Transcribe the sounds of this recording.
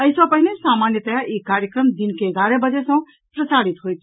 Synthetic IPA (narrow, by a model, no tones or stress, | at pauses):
əisə̃pəɦinesamanjət̪əjaʔikaɾjəkɾəmd̪inkeːɡaɾebəd͡ʒesə̃ | pɾəsaɽit̪ɦojt̪ʰ